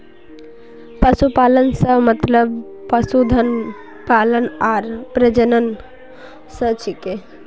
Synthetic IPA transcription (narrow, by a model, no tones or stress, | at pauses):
pəsupalənsəmət̪ləb | pəsud̪ʱən | palənaːɾpɾəd͡ʒənən | sət͡ʃʰike